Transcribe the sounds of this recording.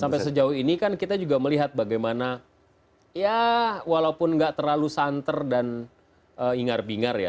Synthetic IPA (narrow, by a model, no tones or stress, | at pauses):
sampajsəd͡ʒaʊhinikankit̪ad͡ʒuɡaməliɦat̪̚baɡajmana | jawalaupʊnŋɡaʔt̪ərlalusant̪ərdan | ʔəːiŋarbiŋarja̰